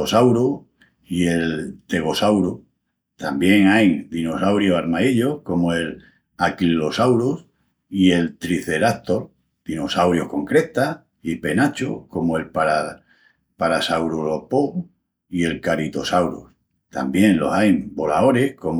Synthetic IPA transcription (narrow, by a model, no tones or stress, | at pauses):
osawɾo | ie̞lt̪e̞ɣ̞o̞sawɾo | t̪ambje̞ŋajd̪ino̞sawɾjosaɾmaiʎo̞hko̞moe̞l | akilːo̞sawɾos | ie̞lt̪ɾiθe̞ɾat̪o̞ɾ | d̪̥ino̞sawɾjo̞hko̞ŋkɾe̞t̪a | ipe̞nat͡ʃoko̞moe̞lpaɾa | paɾasawɾolopoŋ | ie̞lkaɾit̪o̞sawɾo̰s | t̪a̰mbje̞ŋlo̞̰sajmbo̞lao̞ɾe̞hko̞m